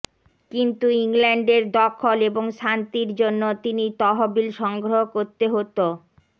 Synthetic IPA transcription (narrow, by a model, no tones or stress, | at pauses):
kint̪uiŋleɳɖeɾd̪ɔkʰːoleboŋʃant̪iɾd͡ʑonːot̪init̪ɔɦobilʃɔŋɡɾoɦokoɾt̪eɦot̪o